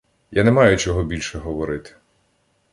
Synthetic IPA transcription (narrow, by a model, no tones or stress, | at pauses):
janɛmɑjʊt͡ʃɔɦɔbʲilʲʃɛɦɔʋɔɾɪt̪ɪ̥